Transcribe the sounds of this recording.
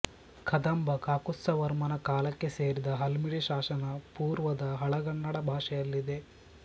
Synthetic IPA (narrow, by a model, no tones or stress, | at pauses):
kʰɐd̪ɐmbɐkaːkusːɐʋɐɾmɐnɐkaːlɐkːe̞seːɾid̪ɐɦɐlmiɽiʃaːʃɐnɐpuːɾʋɐd̪ɐɦɐɭɐɡɐɳːɐɽɐbʱaːʂɛjɐlːid̪e̞